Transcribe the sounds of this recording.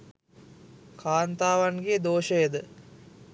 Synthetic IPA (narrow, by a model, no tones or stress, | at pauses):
kʰaːnt̪aːʋanɡed̪oːʃəjed̪ə